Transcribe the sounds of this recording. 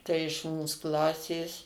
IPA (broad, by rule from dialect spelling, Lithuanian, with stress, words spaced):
ˈtɐɪ ɪʃ ˈmuːs ˈklˠɑːsʲeːs